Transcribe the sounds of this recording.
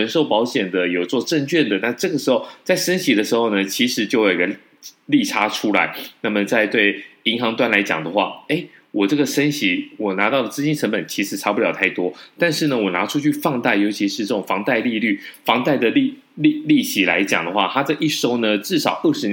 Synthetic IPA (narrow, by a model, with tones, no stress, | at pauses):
ə˧˥nʂo˥˩ʊpɑ˧˥ʊɕjɛ˨˩nd̪ə˦jo˨˩ʊt͡swɔ˥˧ʈ͡ʂə˥˧nt͡ɕɥɛ˥˩nd̪ə˩na˥˧ʈ͡ʂɤ˥˩ɡə˩ʂɻ̩˧˥xo˥˧ʊt͡sa˥˩ɪʂə˥nɕi˨˩d̪ə˦ʂɻ̩˧˥xo˥˧ʊnə˩t͡ɕʰi˧˥ʂɻ̩˧˥t͡ɕjo˥˩ʊjɡə˧ | li˥˩ʈ͡ʂʰa˥ʈ͡ʂʰu˥la̰˧˦ɪna˥˩mə˨t͡sa˥˧ɪt̪we˥˩ɪi˧˥ŋxɑ˧˥ŋt̪wa˥nla˧˥ɪt͡ɕjɑ̰˨˩ŋd̪ə˦xwa˥˩e˥˩ɪ | wɔ˨˩ʈ͡ʂɤ˥˩ɡə˩ʂə˥nɕi˨˥wɔ˨˩na˧˥t̪ɑ˥˩ʊd̪ə˩t͡sɹ̩˥˧t͡ɕi˥nʰə˧˥ŋbə˨˩nt͡ɕʰi˧˥ʂɻ̩˧˥ʈ͡ʂʰɑ˥pu˥ljɑ˨˩t̪ʰa˥˩ɪt̪wɔ˥t̪a˥˧nʂɻ̩˥˩nə˩wɔ˨˩na˧˥ʈ͡ʂʰu˥t͡ɕʰy˥˧fɑ˥˧ŋt̪a˥˩ɪjo˧˥ʊt͡ɕʰi˧˥ʂɻ̩˥˧ʈ͡ʂɤ˥˩ʊ˨˩ŋfɑ˧˥ŋt̪a˥˧ɪli˥˧ly˥˩fɑ˧˥ŋt̪a˥˩ɪd̪ə˩li˧ | li˥˧li˥˩ɕi˨˩la̰˧˥ɪt͡ɕjɑ˨˩ŋd̪ə˦xwa̰˥˧t̪ʰa˥ʈ͡ʂə˥˧ʔi˥˩ʂo˥ʊnə˧ʈ͡ʂɻ̩˥˩ʂɑ˨˩ʊʔə˥˩ʂɻ̩˧˥n